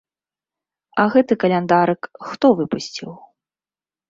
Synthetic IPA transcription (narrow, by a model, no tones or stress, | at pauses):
ɐɣɛt̪ɨkɐlʲɛnd̪aɾɨkxt̪ɔvɨpusʲt͡sʲḭw